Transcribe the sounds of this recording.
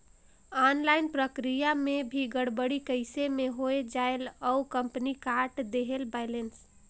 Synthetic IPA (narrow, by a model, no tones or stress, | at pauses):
anlaɪnpɾəkɾijamebʱiɡəɽbəɽikəɪsemeɦoed͡ʒaeləukəmpnikaɾʈd̪eɦelbaɪlens